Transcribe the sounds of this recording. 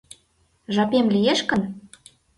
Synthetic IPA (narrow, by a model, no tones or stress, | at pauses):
ʒɑpemlijeʃkə̆n